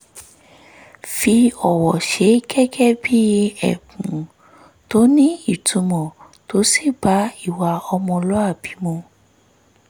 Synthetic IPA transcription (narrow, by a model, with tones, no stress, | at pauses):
fi˧ɔ˨wɔ˨ʃe˨˦kɛ˦kɛ˦bi˦˧ɛ̰˦˨kũ˨ | to˨˦nĩ˦i˦˨tʰũ˨˧mɔ̃˨ | to˨˦si˦˨ba˨˦i˦˨wa˧ɔ˧mɔ̃˧lɔ˦a˦˨bi˨˦mɔ̃˧